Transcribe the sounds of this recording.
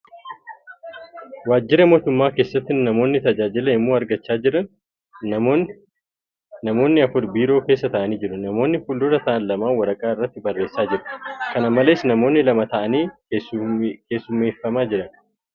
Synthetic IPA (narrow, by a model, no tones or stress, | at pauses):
waːd͡ʒːɪɾɐmo̞ːt̪ʊmːaːke̞ːsːɐt̪ːɪnɐmo̞ːnːɪt̪ɐd͡ʒaːd͡ʒɪlɐɪmːoːɐɾɡɐt͡ʃːaːd͡ʒɪɾɐn | nɐmo̞ːnːɪɐfʊɾbiːɾo̞ːke̞ːsːɐt̪ɐʔɐniːd͡ʒɪɾʊnɐmo̞ːnːɪfʊlːʊɾɐt̪ɐʔɐnlɐmaːwɐɾɐkʼaːɪrːɐt̪ːɪbɐrːe̞ːsːaːd͡ʒɪɾɐ̥kɐnɐmɐle̞ːsnɐmo̞ːnːɪlɐmɐt̪ɐʔɐniː | ke̞ːsːʊmeːfːɐmaːd͡ʒɪɾɐn